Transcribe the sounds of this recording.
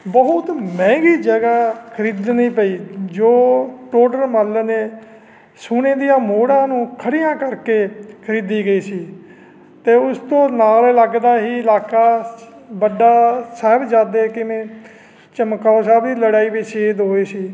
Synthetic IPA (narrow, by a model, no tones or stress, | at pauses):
bəɦʊt̪mɛ̃ːɡiːd͡ʒəɡaːkʰəɾiːd̪niːpəiːd͡ʒoːʈoːɖəɾməlːəneː | sʊneːd̪ijãːmoːɽãːnũːkʰəɽɪjãːkəɾkeːkʰəɾiːd̪iːɡəiːsiː | t̪eːʊst̪õːnaːlɪləɡd̪aːɦiːɪlaːkaː | bəɖaːsɛːbd͡ʒaːd̪eːkɪmẽː | t͡ʃəmkːaoːsɛːbd̪iːləɽaːiːbiseːd̪ɦoːiːsiː